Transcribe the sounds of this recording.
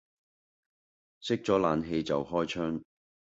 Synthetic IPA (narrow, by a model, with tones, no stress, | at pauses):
sɪ˥k̚t͡sɔː˨˥laː˨nɦe˧jt͡sɐ˨whɔː˥jt͡ʃʰœː˥ŋ